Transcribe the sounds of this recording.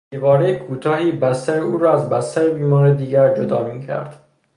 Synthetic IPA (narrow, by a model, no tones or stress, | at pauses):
ibɒːɾejekʰuːt̪ʰɒːhiːbæst̪æɾeuːɾɒːæzbæst̪æɾebiːmɒːɾed̪iːɡæɾd͡ʒod̪ɒ̰ːmiːcʰæ̰ɾd̪̥